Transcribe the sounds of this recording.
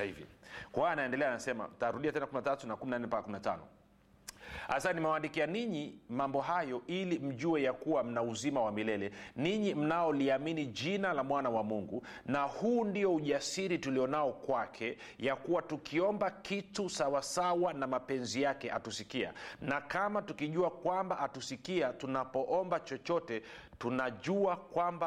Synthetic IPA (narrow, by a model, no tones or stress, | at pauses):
ivḭkwaanaɛndɛlɛanasɛma̰m̩taɾuɗiatɛnakuminatatunakuminanɛmpakakuminata̰nɔ̰ | asanimɛwandikianiɲimambɔɦajɔʔilim̩ʄuɛjakuwam̩nauzimawamilɛlɛniɲim̩naɔliaminiʄinalamwanawamuŋɡu | nahuːndijɔuʄasiɾituliɔnaɔkwakʰɛ | jakuwatukʰiɔmbakitusawasawanamapɛnzijakɛa̰tusikia̰nakamatukiʄuakwambaʔatusikiatunapɔʔɔmbat͡ʃɔt͡ʃɔtɛtunaʄuakwamba